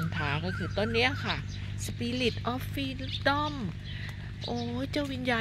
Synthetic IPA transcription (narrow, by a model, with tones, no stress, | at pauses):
nt̪ʰaː˨˦˥kɔː˥˩kʰɯː˧˩t̪ɔ˧˥˩nːi˦˥ɐkʰa˥˩ | sa˧piː˧˥li˨˩t̪̚ʔɔː˧˥˩ffiː˧˩ld̪ɔ˥˩m | ʔoː˨˧˦t͡ɕa˧˩wi˧˥njaː˧